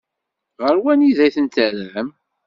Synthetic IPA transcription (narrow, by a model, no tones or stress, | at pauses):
ʁəɾwæniðæjθənt̪əlʕəm